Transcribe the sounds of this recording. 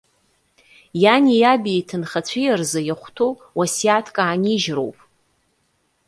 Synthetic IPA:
janʲijabiitʰɨnχat͡ɕʷʰijarzajaχʷtʰo | wasiatʰkʼaːniʒro̰wpʼ

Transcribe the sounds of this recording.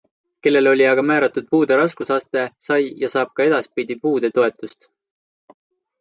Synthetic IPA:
ke̞lːe̞lo̞lʲiɑɡ̥ɑmæːɾɑt̪ːˑud̪̥̚puːd̪̥eɾɑskusɑst̪e̞sɑjjɑsɑːb̥̚kɑe̞d̪̥ɑspid̪̥ipuːd̪̥e̞t̪o̞e̞t̪ːˑust̪

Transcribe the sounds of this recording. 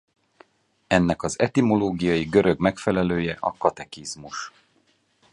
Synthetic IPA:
ɛnːɛkɒzɛt̪imo̞loːɡijɒjiɡøɾø̞ɡmɛkfɛlɛløːjɛʔɒkɒt̪ɛkizmuʃ

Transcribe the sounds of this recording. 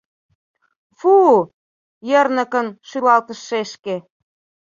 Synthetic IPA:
fu | jərnə̆kənʃylɑlt̪ə̆ʃːeʃke

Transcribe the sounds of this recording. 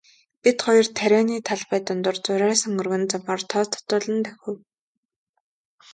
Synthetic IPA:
pit̪χɔjɞ̆rt̪ʰæɾʲæːniːt̪ʰaɮpæːt̪ʊnt̪ʊ̆rt͡sʊɾʲæːsɵ̆ŋɵrɣɘ̆nt͡sɔmɢɔːrt̪ʰɔːt͡s̪ʰɔ̥t̪ʊːɮə̆nt̪ʰæxʲɵ̆w

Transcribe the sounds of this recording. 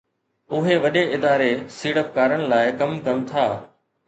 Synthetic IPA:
ʊɦeʋɐɗeɪd̪aːɾesiːɽəp̚kaːɾəɽ̃ɪ̆laːɪkɐmkɐmt̪ʰaː

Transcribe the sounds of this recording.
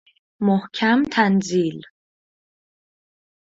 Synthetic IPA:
mohcʰæmt̪ʰænzil

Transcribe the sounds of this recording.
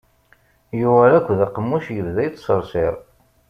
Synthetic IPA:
juvæɾækʷːðaqəmːuʃjəvðæjt͡s̪ːsəɾˤsɪɾˤ

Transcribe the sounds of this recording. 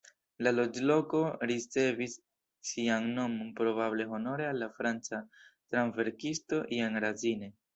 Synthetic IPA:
lalo̞d͡ʒlo̞ko̞ɾit͡se̞visː | iaŋno̞monpɾo̞bable̞ɦo̞no̞ɾe̞alːafɾant͡satɾanve̞ɾkisto̞ʔiaŋɾazine̞

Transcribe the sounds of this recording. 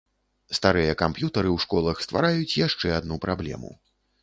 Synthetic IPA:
st̪aɾɨjɐkampjut̪ɐɾɨwʂkɔlˠɐxst̪va̰ɾajut͡sʲjaʂt͡ʂɛad̪nupɾablʲɛ̰mṵ

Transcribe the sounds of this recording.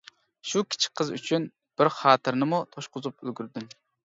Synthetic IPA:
ʃukʲʰi̥t͡ʃʰi̥qʰəzy̰t͡ʃʰyn | b̥ɪɾχɑːt̪ʰɨɾnɪmut̪ʰoʃqʊzupylɡʲyɾd̪yn

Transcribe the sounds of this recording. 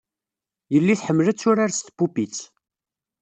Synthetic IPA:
jəlːiθħəmːəlæt͡sːʊɾaɾst̪pupit͡sː

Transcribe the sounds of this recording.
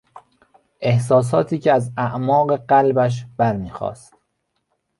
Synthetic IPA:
ʔe̞hs̬ɒːs̬ɒːt̪ʰiːcʰeæzæʔmɒːɣeɢælbæʃ̬b̥æɾmiːxɒ̰ːst̪

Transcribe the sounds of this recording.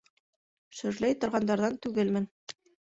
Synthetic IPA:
ʃɵ̆ɾlæjt̪ŏɾʁɑnd̪ɑɾðɑnt̪ʉɡɘlmɘn

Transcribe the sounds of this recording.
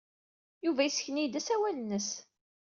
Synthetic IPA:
juvæjisçnid̪æsæwælənːəs

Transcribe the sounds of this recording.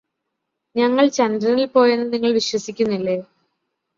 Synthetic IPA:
ɲɐŋːɐɭt͡ɕɐnd̪ɾɐnilpo̞ːjenːɐniŋːɐɭʋiɕwɐsikʲːunːilːe̞ː

